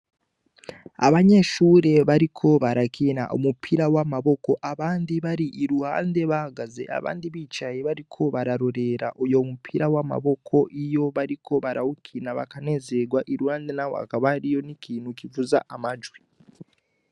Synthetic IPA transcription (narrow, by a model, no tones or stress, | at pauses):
a̰βaɲe̞ʃuːɾe̞βaɾikʰo̞βaɾakʰina̰ʔo̰mupʰiɾawamaβo̞ko̞ʔaβaːndiβaɾiʔiɾuha̰ːnde̞βahaɡaze̞̰ʔa̰βa̰ːndiβit͡ʃajeβaɾikʰo̞βaɾaɾo̞ɾe̞ɾa̰ʔojo̞mupʰiɾawama̰βo̞kʰo̞ʔijo̞βaɾikʰo̞βaɾaukʰinaβa̰kane̞ze̞ɡwaʔiɾuhaːndenawo̰a̰kaβaɾijo̞nikʰiːnhukivuza̰ʔamad͡ʒwi